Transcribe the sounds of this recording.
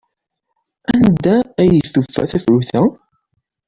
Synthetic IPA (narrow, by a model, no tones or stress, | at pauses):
ænd̪æːjəθufːæ̰θæfʕuθæ